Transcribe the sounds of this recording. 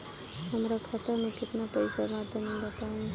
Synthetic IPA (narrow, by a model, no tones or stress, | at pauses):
ɦəmɾakʰat̪əɾmẽkɪt̪napəɪsamad̪ʱjəmẽbət̪aɦũ